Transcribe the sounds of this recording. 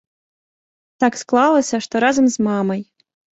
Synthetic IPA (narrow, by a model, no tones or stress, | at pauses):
t̪ɑksklˠɑlˠəsʲɐʂt̪oɾazəmzmɑmɐj